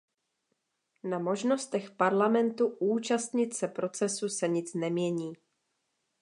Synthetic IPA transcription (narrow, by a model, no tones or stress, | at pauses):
namo̞ʒno̞st̪ɛxpaɾlamɛnt̪uʔuːt͡ʃast̪ɲɪt̪sɛpɾo̞t͡sɛsusɛɲɪt͡snɛmɲɛɲiː